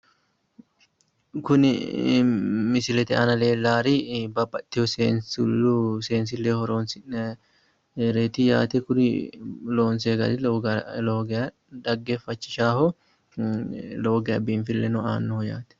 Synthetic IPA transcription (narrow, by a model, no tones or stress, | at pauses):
kʊnɪ̰ | mɪsɪlɛt̪ɛʔɐnɐleːlːaːɾibɐbʼːɐt̪ːɛhɔseːnsʊlːuseːns̬ɪlːeːhɔɾoːnsɪ | ɾeːt̪ija̰ːt̪ɛkʊnɪlo̞ːnseːɡɐlɪloːɡɐ | d̪ɐɡːeːfːɐt͡ʃːɪ̥ʃaːhɔ | loːɡɛjɐbiːnfɪlːɛnɔaːnːɔhɔjaːt̪ɛ̥